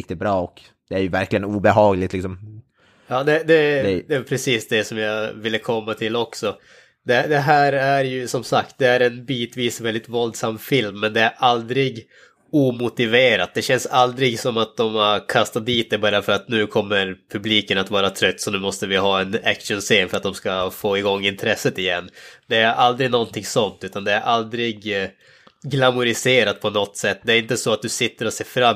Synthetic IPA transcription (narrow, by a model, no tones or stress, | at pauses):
k̚t̪ɪt̪̚bɾɑːɔk | d̪̥ɛæjɵvæɾklɪɡənuːbɛɦɑːɡlɪt̪lɪksɔm | jɑːd̪ɛd̪ɛd̪ɛpʰɾɛsiːsd̪ɛsɔmjɑvɪlːəkʰɔmːat̪ʰɪlːɔksɔ | d̪ɛd̪ɛɦæːɾæɾjɵsɔmsakt̪̚d̪ɛæɾɛnbiːt̪viːsɔvɛld̪ɪt̪vɔld̪samːfɪlmːɛnd̪ɛæɾʔald̪ɾɪɡ | uːmʊt̪ɪveːɾa̰t̪̚d̪ɛɕɛnsald̪ɾɪɡsɔmat̪̚d̪ɔmaɾkʰast̪at̪̚d̪iːt̪̚d̪ɛbɑɾjanfœɾat̪nʉ̟ːkʰɔmːəɾpʰɵbliːkənat̪vɑːɾat̪ʰɾœt̪ːsɔnʉ̟ːmɔst̪əvɪɦɑːɛnæ̰kʂənseːnfœɾat̪̚d̪ɔmskafoːɪɡɔŋːɪnt̪ʰɾɛsːət̪ɪjɛnːd̪ɛæɾʔald̪ɾɪɡnɔnt̪ʰɪŋsɔnt̪ʉ̟ːt̪and̪ɛæɾʔald̪ɾɪɡ | ɡlamʊɾɪseːɾat̪̚pʰɔnɔt̪ːsɛt̪ːd̪ɛæːɾɪnt̪əsɔat̪̚d̪ɵsɪt̪ːəɾɔseːfɾamː